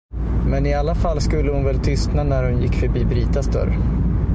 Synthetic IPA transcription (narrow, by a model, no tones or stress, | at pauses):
mɛnɪalːafalːskɵlːəhʊnvɛlt̪ʰʏst̪nanæɾhʊnjɪkːfœɾbiːbɾiːt̪asd̪œ̰ɾ